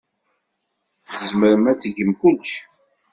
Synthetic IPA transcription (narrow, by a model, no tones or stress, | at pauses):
θəzməɾəmæt͡sːəʝəmkʊlʃ